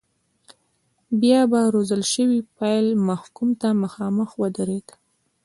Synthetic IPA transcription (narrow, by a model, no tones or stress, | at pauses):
bjɑbaɾozəlʃəwipajlmahkumt̪aməxɑməxwəd̪əɾed̪